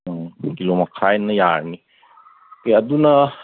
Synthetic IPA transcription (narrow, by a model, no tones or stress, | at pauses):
kilomɐkʰajnɐja̰ɾni | keɐdunɐ